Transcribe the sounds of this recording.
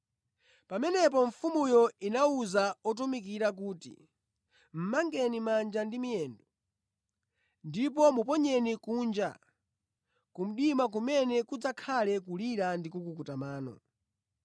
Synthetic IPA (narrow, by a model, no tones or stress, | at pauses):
pamɛnɛp̬ɔɱ̩fumujɔinauzaɔt̬umik̬iɾak̬uːtḭ | m̩maŋɡɛnimand͡ʒandimijɛːndɔ | ndip̬ɔmupɔɲɛnikuːnd͡ʒa̰ | kum̩ɗimak̬umɛnɛkud͡zakʰalɛkuliɾandikukukutamaːnɔ̰